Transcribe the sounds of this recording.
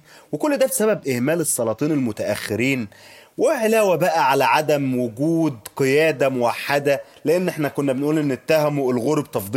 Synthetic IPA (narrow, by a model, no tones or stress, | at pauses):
wekolːd̪æːfi̥sæbæbʔehmæːlesˤːɑlˤɑːt̪ˤiːnelmʊt̪æʔæxːeɾiːnweʕelæːwæbæʔæʕalæʕad̪æmwoɡuːd̪qɨjæːd̪æmowaħːad̪æleʔenːʔeħnækonːæbenʔuːlʔenːet̪ːæhæmoelɣoɾbt̪ɑfd̪ˤi